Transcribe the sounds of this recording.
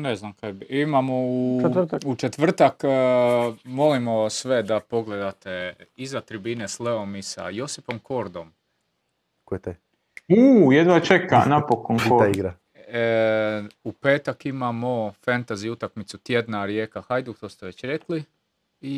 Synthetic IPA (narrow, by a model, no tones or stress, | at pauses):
neznamkad̪bimamouaut͡ʃet̪ʋr̩t̪ak | mo̞limo̞sʋe̞d̪apo̞ɡled̪at̪eizat̪ɾibinesleomisa̰jo̞sipomkʰo̞ɾd̪o̞m | kojet̪aj | uːjed̪ʋat͡ʃeka̰napokonkoaiɡɾa | upe̞ːt̪akimamofant̪aziut̪akmit̪sut̪jed̪naɾjekahajd̪ukt̪ost̪eʋe̞t͡ɕɾekli | i